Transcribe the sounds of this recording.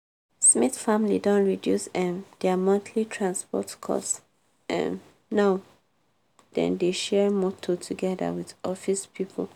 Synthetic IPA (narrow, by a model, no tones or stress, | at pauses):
smiθfamlḭdɔ̃ntɹidjusɛ̃md̥ɛamãntʰlitʰɹãnspɔ̰tkʰɔ̰ss | ʔɛ̰̃n | naʊ | d̥ɛ̰̃ndeʃɛɹmɔtʰotʰuɡɛda̰wiðɔfispʰipʰl